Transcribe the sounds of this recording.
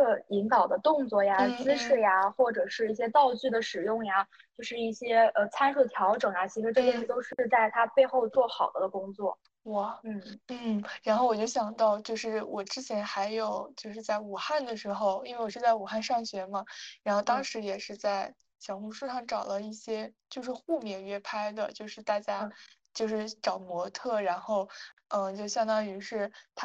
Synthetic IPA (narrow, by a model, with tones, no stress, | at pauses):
ɤ˥˩i˧˥ŋk̪ɑ˨˩ʊd̪ə˦t̪ʊ˥˧ŋt͡swɔ˥˩ja˨t͡s̩˥ʂɻ̩˥˩ja˩xwɔ˥˩ʈ͡ʂɤ˨˩ʂɻ̩˥˧i˥˩ɕjɛ˥t̪ɑ˥˧ʊt͡ɕy˥˩d̪ə˩ʂɻ̩˨˩jʊ˥˩ŋja˧ | t͡ɕjo˥˧ʊʂɻ̩˥˧i˥˩ɕjɛ˥ə˧t͡sʰa˥nʂu˥˩t̪ʰjɑ˧˥ʊʈ͡ʂɤ˨˩ŋja˩t͡ɕʰi˧˥ʂɻ̩˥˧ʈ͡ʂɤ˥˧˥ʂ̩˥t̪o˥ʊʂɻ̩˥˧t͡sa˥˩ɪt̪ʰa˥pe˥˧ɪxo˥˧ʊt͡swɔ˥˩xɑ˨˩ʊd̪ə˦d̪ə˧kʊ˥ŋt͡swɔ̰˥˩ | wɔ˥˩n̩˥˩n̩˥˩ɻa˧˥nxo˥˩ʊwɔ˨˩t͡ɕjo˥˩ʊɕjɑ˨˩ŋt̪ɑ˥˧ʊt͡ɕjo˥˧ʊʂɻ̩˥˩wʔɔ˨˩ʈ͡ʂɻ̩˥t͡ɕʰjɛ˧˥nxa˧˥ɪjo˨˩ʊt͡ɕjo˥˧ʊʂ̬ɻ̩˥˧t͡sa˥˩ɪu˨˩xa˥˩nd̪ə˩ʂɻ̩˧˥xo˥˧ʊi˥nwe˥˩wɔ˨˩ʂɻ̩˥˧t͡sa˥˩ɪu˨˩xa˥˧nʂɑ˥˩ŋɕɥɛ˧˥mɐ˧ɻa˧˥nxo˥˩ʊt̪ɑ˥ŋʂɻ̩˧˥jɛ˨˩ʂɻ̩˥˧t͡sa˥˩ɪ | ɕjɑ˨˩ŋxu˧˥ʂu˥˧ʂɑ˥˩ŋʈ͡ʂɑ˨˩ʊlə˦i˥˩ɕjɛ˥t͡ɕjo˥˧ʊʂ̬ɻ̩˥˧xu˥˧mjɛ˥˩ɥɛ˥˩pʰa˥ɪd̪ə̰˨t͡ɕjo˥˧ʊʂɻ̩˥˧t̪a˥˩t͡ɕja˥t͡ɕjo˥˧ʊʂɻ̩˥˩ʈ͡ʂɑ˨˩ʊmwɔ˧˥t̪ʰɤ˥˩ɻa˧˥nxo˥˩ʊə˥˧t͡ɕjo˥˧ʊɕjɑ˥ŋt̪ɑ˥ŋy˧˥ʂɻ̩˥˩t̪ʰa˥